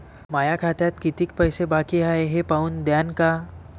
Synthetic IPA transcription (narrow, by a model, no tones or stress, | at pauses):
majakʰat̪jat̪̚kit̪ik̚pəjsebakiaeɦepauːnd̪janka